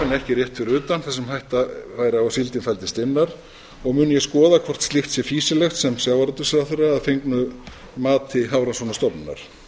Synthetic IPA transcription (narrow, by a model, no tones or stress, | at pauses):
nɛhcɪrjɛht̪fɪɾʏːt̪anθɛsːɪmhajht̪avaːjɾɪawasilt̪ɪnfɛlt̪ɪ̥st̪ɪnːaɾ | ɔɣmʏːnjɛskɔːðakʰvɔr̥t̪st̪ɪxt̪sjɛfiːsɪlɛxt̪sɛmsjawvaɾt̪ːʏsɛɾaθʏraːðfejŋknʏ | maːt̪ɪɦawɾansɔnast̪ɔpnna̰ɾ̥